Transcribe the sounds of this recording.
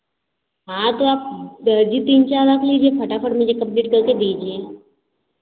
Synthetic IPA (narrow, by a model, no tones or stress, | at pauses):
ɦãt̪oaːp̚d̪əɾd͡ʒit̪iːnt͡ʃaːɾlakliːd͡ʒiẽpʰɐʈapʰəʈmɪd͡ʒʱekɐpliʈkɐɾked̪iːd͡ʒiẽ